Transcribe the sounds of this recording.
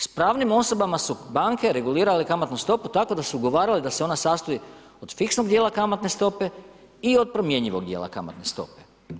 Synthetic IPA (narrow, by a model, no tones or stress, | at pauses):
spɾaːʋnimo̞so̞bamasubaːŋke̞ɾe̞ɡuliːɾalikamat̪nust̪o̞put̪ako̞d̪asuuɡo̞ʋaːɾilid̪aseo̞nasaːst̪oi | od̪̥fiksnoɡd̪jeːlˠakamat̪ne̞st̪o̞pe̞ | io̞d̪̚pɾo̞mje̞ɲiʋoɡ̚d̪jḛːlˠa̰ka̰ma̰t̪ne̞st̪o̞̰pe̥